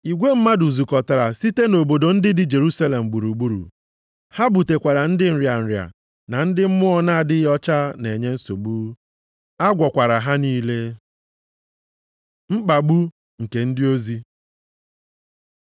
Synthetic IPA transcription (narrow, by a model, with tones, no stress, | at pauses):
i˨ɡʷe˦m̩˦ma˦du˨zu˨kɔ˨ta˨ɾa˨si˦te˦no˨bo˨do˨n̩˦dɪ˦dɪ˨d͡ʒe˨ɾu˦sa˦le˨m̩˨ɡ͡bu˨ɾu˨ɡ͡bu˦ɾṵ˨ | ha˦bu˨te˨kʷa˨ɾa˨n̩˦dɪ˦n̩˨ɾja˨n̩˨ɾja̰˨ | na˨n̩˦dɪ˦m̩˦mʊ˦ɔ˦na˦a˦˨dɪ˦jɔ˦t͡ʃa˦ne˨ɲe˦n̩˦so˨ɡ͡bu˦ | a˦ɡʷɔ˨kʷa˨ɾa˨ɦa˦niː˦le˦ | ŋ͡m̩˦k͡pa˨ɡ͡bu˦ | ŋ̩˨ke˨n̩˦dɪ˦o˦zi˦